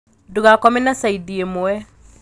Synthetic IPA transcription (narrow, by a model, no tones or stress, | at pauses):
duɣakɔmɛnasaidiemoɛ